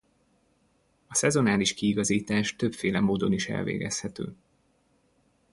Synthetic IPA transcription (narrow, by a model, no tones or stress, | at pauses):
ɒsɛzo̞naːliʃkiːɡɒziːt̪aːʃt̪ø̞pfeːlɛmoːd̪o̞niʃɛ̰lvḛːɡɛshɛt̪ø̰ː